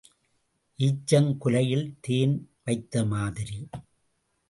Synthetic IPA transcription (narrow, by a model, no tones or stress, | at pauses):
ʔiːt͡ʃːɐŋkʊlɐjɪlt̪eːnʋɐɪt̪ːɐmaːðɪɾi